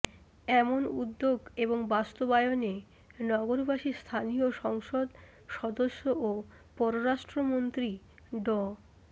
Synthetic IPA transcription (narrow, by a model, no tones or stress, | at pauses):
ɛmonṵd̪ːoɡeboŋbast̪obaeone | nɔɡoɾbaʃist̪ʰanioʃɔŋʃod̪ | ʃɔd̪oʃːoʔo | pɔɾoɾaʃʈɾomont̪ɾi | ɖɔ